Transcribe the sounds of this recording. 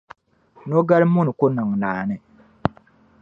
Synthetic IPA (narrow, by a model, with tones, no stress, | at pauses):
no˦ɡa˦ɾmu˦ni˨ko˦na˨ŋ˨naː˨nɛ˦